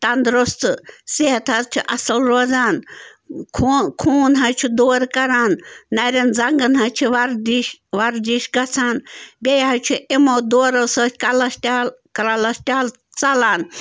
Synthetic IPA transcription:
t̪ɐnd̪ɾost̪ɨseɦɐt̪ʰɐzt͡ʃʰiʔɐsɐlɾoːzaːn | kʰkʰuːnɦɐt͡ʃʰud̪oːɾkɐɾaːnːɐɾʲɐnd͡zɐŋɡɐnɦɐt͡ʃʰiʋɐɾd̪iʃʋɐɾd̪iʃɡɐt͡sʰaːnbʲejɦɐt͡ʃʰuʔimoːd̪oːɾɐsəkɐlɐsʈʲalkɾalɐsʈʲaːl | t͡sɐlaːn

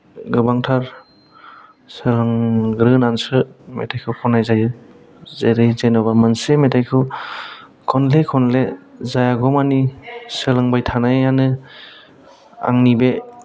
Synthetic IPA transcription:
ɡɯbaŋtʰaɾ | sɯlɯŋɡɾɯnansɯmḛtʰajkʰɯwkʰɔnajzajɯ | zeɾajzenɔbamɯnsemetʰajkʰɯ | kʰɔnlekʰɔnlezajaɡɔmanisɯlɯŋbajtʰanajanɯ | a̰ŋnibe

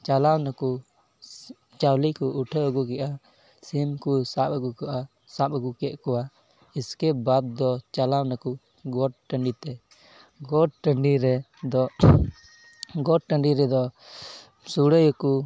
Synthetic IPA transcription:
t͡ʃalawnaku | t͡ʃawlikɔʔːʈʰəəɡukɛʔa | simkusapəɡuka | sapəɡukɛʔkɔwa | iskɛbad̪̚ːɔt͡ʃalawnaku | ɡɔʈ̚ʈə̃ɳɖit̪ɛ | ɡɔʈ̚ʈəɳɖiɾɛ | d̪ɔ | ɡɔʈ̚ʈəɳɖiɾɛd̪ɔ | suɽəjəku

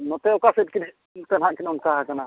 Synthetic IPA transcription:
nɔt̪ɛɔkasɛt̚kin | t̪ɛnɦãʔkinɔnkaɦakana

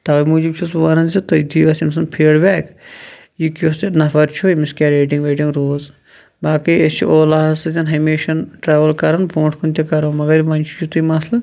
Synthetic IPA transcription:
t̪ɐʋɐmuːd͡ʒib̚t͡ʃʰus̬ʋɐnɐnzit̪ɐjd̪iːʋɐsims̬ɐnpʰeːɽbɛːk | jikosnɐfɐɾt͡ʃʰuimiskʲaɾeːʈĩŋɡʋeːʈĩŋɡɾoːz | baːkiest͡ʃʰḭoːlaːɦɐzɐd̪ʲɐnɦɐmeːʃɐnʈɾaːʋɐlkɐɾɐnpʰõːɳʈʰkʰunt̪ʲikɐɾoːmɐɡɐɾiʋɐnʲt͡ʃʰi̥t͡ʃʰut̪umɐslɐ

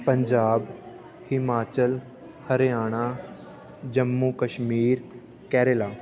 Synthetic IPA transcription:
pəɲd͡ʒaːb | hɪmaːt͡ʃəl | həɾejaːɽ̃aː | d͡ʒəmːuːkəʃmiːɾ | kɛːɾelaː

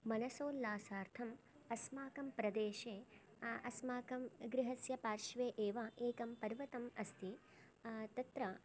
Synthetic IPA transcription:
mɐnɐsoːlːaːsaːɾt̪ʰɐm | ɐsmaːkɐmpɾɐd̪eːʃeː | ɐsmaːkɐmɡɾɪɦɐsjɐpaːɾʃʋeːʔeːʋɐʔeːkɐmpɐɾʋɐt̪ɐmɐst̪ʰi | t̪ɐt̪ɾɐ

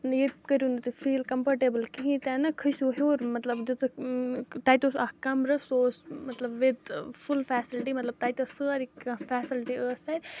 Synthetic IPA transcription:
njekəɾund̪ut̪ifʰiːlkɐmpɐɾʈeːbəlkiɦĩt̪ɛːnɐkʰəsoɦoːɾmɐt̪lɐbd͡ʒɐt̪ɨ | ʈaːjt̪osaːkɐmɾɐsoːsmɐt̪lɐbʋɪd̪fʰulfɛːsɪlʈimɐt̪lɐb̚ʈ̪aːjt̪osəaɾikɐfɛːsɪlʈiəːst̪aːjd̪

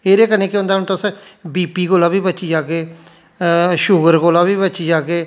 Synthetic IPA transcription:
eːɾeːkənẽːkɪʊ̃nd̪aːnũːt̪ʊsbiːpiːɡoːlãːbiːbəːt͡ʃiːd͡ʒaːɡeː | ʃʊɡəɾɡoːlãːbiːbəːt͡ʃiːd͡ʒaːɡeː

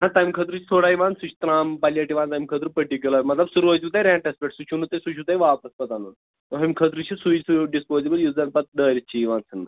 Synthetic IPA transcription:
nãt̪aːjmkʰət̪ɾut͡ʃʰi̥sʰoːɽaːjʋaːnsut͡ʃʰi̥t̪ɾaːmpalijaːʈiʋãːnt̪aːjmkʰət̪ɾupəʈik̬ʲjulaːjmɐt̪lɐbsuɾuʋot̪iut̪̬ajɾẽːɳʈɐspeʈsut͡ʃʰunut̪ɐjsut͡ʃʰut̪ajʋaːpɐspɐt̪anun | t̪oɦɐmkʰət̪ɾut͡ʃʰisusuɖispoːzebəljuːzɐnpɐt̪̚ɖəːɾʲit͡ʃʰiiʋaːnsɨn

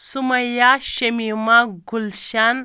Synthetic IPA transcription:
sumɐjaʃemimaɡulʃan

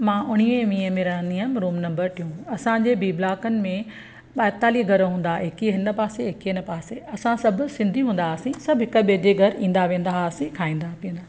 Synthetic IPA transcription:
mãːʔʊɽ̤̃iẽʋĩːəmẽːɾanijəmɾuːmnɐ̃mbəɾʈ̪ʰijũɐsãɲd͡ʑeːbiːblaːkənɪ̆mẽ | ɓaːt̪aːliɡʱɐɾɦũːn̆d̪aɦɪkiɦɪnə̆paːseɦɪkiɪnəpaːseɐsãsɐbʱʊ̆sɪ̃nd̪ʱiɦũːn̆d̪aɐsĩsɐbʱɦɪkəɓed͡ʑeɡʱɐɾĩːn̆d̪aʋẽːnd̪aɐsĩkʰaːĩːnd̪apiːə̃nd̪aː

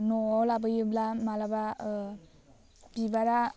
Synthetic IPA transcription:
nɔɔlabɯjɯblamalaba | bibaɾa

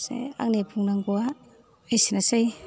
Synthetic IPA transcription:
sḛa̰k̚nepʰuŋnaŋɡua | ejsinasej

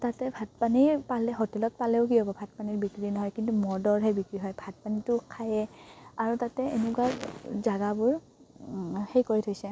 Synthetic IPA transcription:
tatɛbʱat̚panipalɛɦɔtɛlɔt̚palɛʊk̬iɦobɔbʱat̚paniɹbikɹinɔɦɔjkintumɔdɔɹɦejbikɹiɦɔjbʱat̚panitʊkʰajɛaɹutatɛḛnukakzaɡabʊɹ | hejkoɹitʰojsɛ

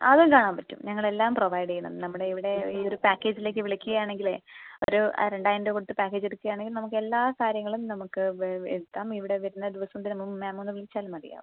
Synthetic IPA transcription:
ɐ̰ðɨkaːɳaːmpɐtːṵmɲɐŋːɐɭe̞lːaːmproʋɐjɖɐjuɳːɐ̰mnɐmːuɽe̞iʋiɽe̞io̞ɾupaːkːe̞ːd͡ʑile̞ːkːɨʋiɭikʲːuɣɐjaːɳe̞ŋɡilḛo̰ɾṵɾe̞ɳɖaːjndokoɽut̪ːɨpaːkːe̞ːd͡ʑeɽukːuɣɐjaːɳeŋɡilnɐmuk̬ːɨe̞lːaːkaːɾjɐŋːɐɭumnɐmukːɨeðut̪ːaːmiʋiɽe̞ʋɐɾunːɐd̪iʋɐsɐmd̪inɐmummaːmonːɨʋiɭit͡ɕːaːlumɐɽḭja̰ːʋṵ

